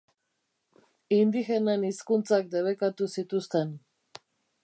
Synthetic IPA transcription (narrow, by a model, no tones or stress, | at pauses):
ind̪ixeneniskunt͡sak̚d̪eβ̞ekat̪usit̪ust̪e̞n